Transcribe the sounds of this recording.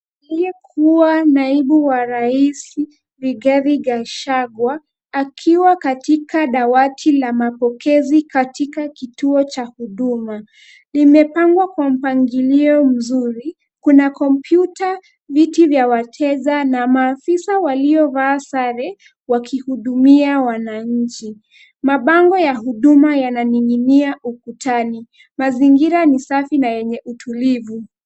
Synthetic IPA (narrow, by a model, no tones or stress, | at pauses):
liɛkʰuanaiɓuwaɾaisi | viɡɛɾiɡaʃaɡwaː | kʰiwakatikaɗawatʰilamapɔkɛzikatikakituɔt͡ʃahuɗuma | limɛpaŋɡwakwam̩paŋɡiliɔm̩zuɾi | kunakɔmpjuta | vitivjawatʰɛzanamaːfisawaliɔvaːsaɾɛ | wakʰihuɗumiawanaɲ̩t͡ʃi | maɓaŋɡɔjahuɗumajananiŋiniaʔukutʰani | maziŋɡiɾanisafinajɛɲɛʔutʰulivu